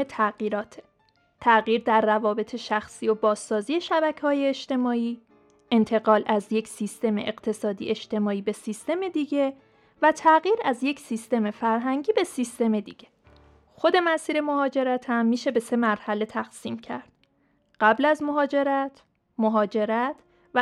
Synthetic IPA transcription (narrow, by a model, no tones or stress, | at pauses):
et̪ʰæɣiːɾɒːt̪ʰe | t̪ʰæɣiːɾd̪æɾːævɒːbe̞t̪ʰe̞ʃæxsiːjobɒːzːɒːziːe̞ʃæbæcʰehɒːje̞ːʃt̪e̞mɒːiː | e̞nt̪ʰe̞ɣɒːlæzjecsist̪e̞meʔeɢt̪ʰe̞sɒːd̪ḭʔeʃt̪e̞mɒːiːbe̞sist̪e̞me̞d̪iɟe̞ | væt̪ʰæɣiːɾæzjecʰsist̪e̞me̞fæɾɦæŋɟiːbe̞sist̪e̞me̞d̪ḭɟ̥e̥ | xo̞d̪e̞mæsiːɾe̞mo̞ɦɒːd͡ʒe̞ɾæt̪ʰhæmːiːʃe̞be̞se̞mæɾhæle̞t̪ʰæxsiːmcʰæ̰ɾd̪̥̚ | ɢ̥æblæzmoɦɒːd͡ʒe̞ɾæt̪ʰ | moɦɒːd͡ʒe̞ɾæt̪ʰ | v